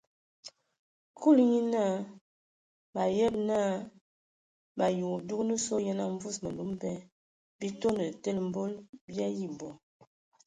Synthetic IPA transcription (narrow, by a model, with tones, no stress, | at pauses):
ku˦˨lɲi˦na˦˨ | ba˨jɛ˦b̚na˦ | ba˨ju˨du˦knə˦so˦jɛ˦na˦ɱ˦vu˦˨smə˨nu˨˦mbɛ˦ | bi˦to˦nə˨tɛ˦lm̩˦bo˦lbja˦ji˦bɔ˨